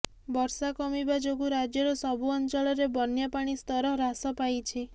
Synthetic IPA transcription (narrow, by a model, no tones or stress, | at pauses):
bɔɾsakɔmibad͡ʒoɡuɾad͡ʒjɔɾɔsɔbʱuɔnt͡ʃɔɭɔɾebɔnjapaɽ̃ist̪ɔɾɔɾasɔpajt͡ʃʰe